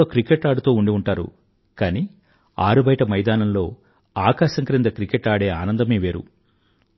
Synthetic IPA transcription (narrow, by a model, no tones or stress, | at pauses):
oːkɾikeʈaːɖut̪o̞ːuɳɖiuɳʈaːɾṵ | kaːniː | aːɾubɐjʈɐmɐjd̪aːnɐmlo̞ː | aːkaːʃɐŋkɐɾind̪ɐkɾikeʈaːɽe̞ːaːnɐnd̪ɐmeːʋe̞ːɾṵ